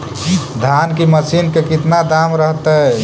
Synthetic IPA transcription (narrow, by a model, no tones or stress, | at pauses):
d̪ʱankiməsinkekit̪nad̪amɾəɦt̪ə